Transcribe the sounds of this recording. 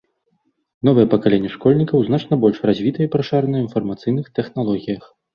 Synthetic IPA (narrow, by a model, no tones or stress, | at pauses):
nɔvɨjɛpɐkalʲenʲːɐʂkɔlʲnʲikɐwzn̪at͡ʂnɐbɔlʲʂrazʲvʲit̪ɐjpɾɐʂaɾɐnɐinfɐrmat̪sɨjn̪ɨxt̪ɛxnalˠɔɣʲijɐx